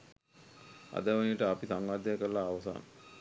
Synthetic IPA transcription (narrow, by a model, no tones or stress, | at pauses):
a̰d̪əʋənijəʈəapisaŋɡaːd̪ajakəɾlaːʋəsa̰ːnə